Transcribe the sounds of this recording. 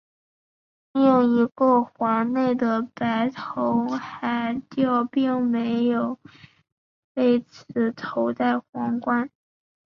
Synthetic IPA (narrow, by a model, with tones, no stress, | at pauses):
jʊ˥˩ŋi˧˥kɤ˥˩xwɑ˧˥ne˥˩ɪd̪ə˩pa˧˥ɪt̪ʰo˧˥ʊxa˧˥ɪt͡ɕjo˥˧ʊpi˥˩ŋme˧˥ɪjo˨˩ʊ | we˥˩ɪt͡sʰɹ̩˧˩t̪ʰo˧˥ʊt̪a˥˩ɪxwɑ˧˥ŋkwa˥n